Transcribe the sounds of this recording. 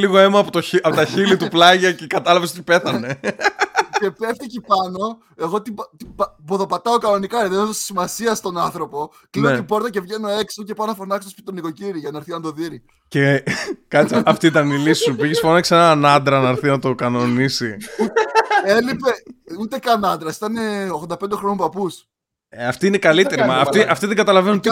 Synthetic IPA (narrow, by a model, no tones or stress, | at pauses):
liɣoemɐːpot̪oɐpot̪ɐçilit̪uplɐʝɐcekɐt̪ɐlɐves̬ot̪ipe̞θɐne̞ | ce̞pe̞fθicipɐno̞ | e̞ɣo̞t̪ibt̪ibboðo̞pɐt̪ɐokɐno̞nikɐiðenot̪osi̥simɐsiɐst̪o̞nɐnθɾo̞po̞ | inot̪ibo̞ɾt̪ɐce̞vʝe̞no̞e̞ksioce̞pɐnofonɐkst̪ospi̥t̪it̪oniko̞ciɾiʝɐnɐːɾθinɐnd̪o̞ðiɾi | cekɐt͡sɐft̪iit̪ɐnilisi̥supiʝesfonɐsenɐnɐd̪ɾɐnɐɾθinɐt̪o̞kɐno̞nisiut̪elipe̞ut̪e̞kɐnɐnd̪ɾɐsi̥t̪ɐneoɣðod̪ɐpnd̪eɾo̞nompɐpus | ɐft̪iinekɐlit̪e̞ɾimɐft̪iʔɐft̪iðeŋɡɐt̪ɐlɐvenunt̪